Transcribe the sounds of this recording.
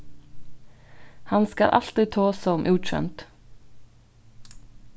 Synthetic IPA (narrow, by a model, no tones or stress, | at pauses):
hanska̰lʔa̰l̥t̪ɾit̪ʰoːsamʔuːt͡ʃɛ̰mt̪